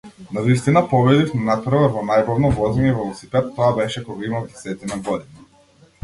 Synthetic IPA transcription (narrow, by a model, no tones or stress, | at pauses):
navist̪inapɔbɛd̪ifmɛnapɾvɔvɔnajbɔvnɔvɔzɛɲɛvɔlˠusipɛt̪ːɔabɛʃɛkɔɡaimavd̪ɛsɛt̪inaɡɔd̪ina